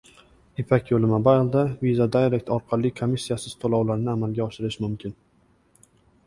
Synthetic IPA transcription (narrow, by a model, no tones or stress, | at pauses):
epʰakʲjolɪmabaɪlˠd̪avizad̪aɾek̚ʲt̪ʰɒɾqʰɑlːɪkʰomɪsːijasɪz̥t̪ʰolˠɒwlaɾnɪamalɡʲaɒʃɪɾɪʃmʊmkʲʰɪn